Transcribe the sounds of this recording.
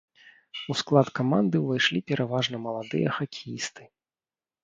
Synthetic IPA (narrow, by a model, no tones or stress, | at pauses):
usklˠat̪kamand̪ɨvajʂlʲipʲɛɾʔavaʐnɐmɐlˠad̪ɨjɐxakʲʰijist̪ɨ̥